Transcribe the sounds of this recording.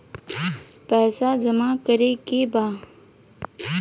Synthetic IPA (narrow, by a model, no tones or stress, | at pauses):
pɛːsad͡ʒəmakəɾekebaː